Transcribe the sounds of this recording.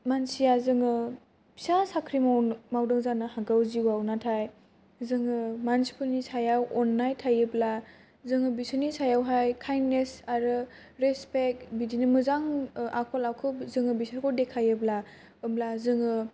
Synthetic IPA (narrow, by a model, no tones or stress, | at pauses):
mansijazɯŋɯ | bi̥sasakʰɾimanmawdɯŋzanɯhaɡawziwawnatʰaj | zɯŋɯmansi̥pʰɯnisajawɔnːajtʰajɯbla | zɯŋɯbisɯnisajawɦajkʰajnːesaɾɯ | ɾespek̚bidinɯmɯzaŋakʰɔlawkʰɯzɯŋɯbisakʰɔdekʰajɯbla | ɯmlazɯŋɯ